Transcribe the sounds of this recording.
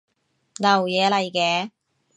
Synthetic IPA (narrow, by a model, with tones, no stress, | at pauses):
nɐ˨˩wjɛː˨˧lɐ˨˩jkɛː˨˧